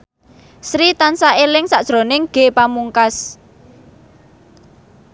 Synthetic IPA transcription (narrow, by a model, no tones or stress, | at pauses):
sɾit̪ansaʔelɪŋsaʔd̥ʒ̥ɾo̤nɪŋɡ̥e̤pamuŋkas